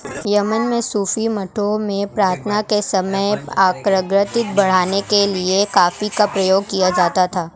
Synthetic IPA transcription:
jɐmənmẽsuːfimɐʈʰomẽpɾaːɾt̪ʰnakesɐməjaːkɾəɡɾət̪ɪt̪̚bɐɽ̤aːnekeliekaːfikapɾɐjoːɡ̚kijad͡ʒaːt̪at̪ʰaː

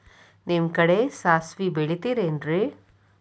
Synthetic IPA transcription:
nimkɐɽesaːsʋibeɭit̪iɾendɾi

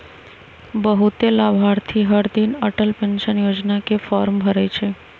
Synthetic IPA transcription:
bəɦut̪elabʱaɾt̪ʰiɦəɾd̪inəʈəlpenʃənjod͡ʒnakefɔɾmbʱəɾet͡ʃʰe

